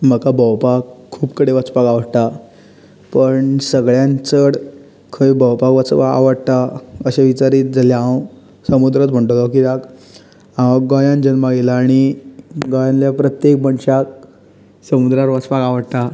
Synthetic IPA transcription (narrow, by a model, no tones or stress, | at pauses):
m̤əkabʱəwpakʰːuːpkəɽeʋət͡spakaʋəɽt̪a | pəɳsəɡɭjãnt͡səɽ | kʰəjbʱəwpakʋət͡saa̰ʋəɽt̪aəɕaʋit͡ɕaɾiːt̪̚d͡zaljaãw | səmud̪ɾət̪m̤əɳʈolɔk̬id̪ak | aʋaɡɔ̃jãnd͡ʑənmaɡelaːɽ̃iɡajãnljapɾət̪jek̚bəɳɕak̚ | səmud̪ɾaɾʋət͡spakaʋəɽt̪a